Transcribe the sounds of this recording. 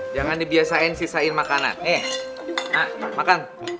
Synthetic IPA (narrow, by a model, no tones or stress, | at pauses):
d͡ʒaŋandibiasaɪnsisaɪnmakana̰nɛ | amakan